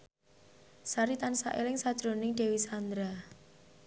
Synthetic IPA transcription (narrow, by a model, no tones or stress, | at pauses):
saɾit̪ansa̰ʔelɪŋsad̥ʒ̥ɾonɪŋɖ̥e̤wisand̪ɾa